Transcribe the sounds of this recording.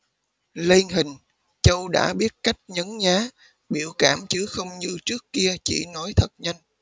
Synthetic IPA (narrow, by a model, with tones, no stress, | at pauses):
li˧nɦï˨˩ŋ̟ | t͡ɕə˧wɗa̰ː˧˥ɓi˦˥ət̚ka˦˥jk̟̚ɲə˨˦nɲaː˨˦ | ɓi˧˩əwkaː˧˩mt͡ɕɨ˨˦xə˧wŋ͡mɲɨ˧t͡ɕɨ˦˥əkːki˧ət͡ɕḭ˧˩nɔ˨˦jt̪ʰə˨˩t̚ɲa˧jŋ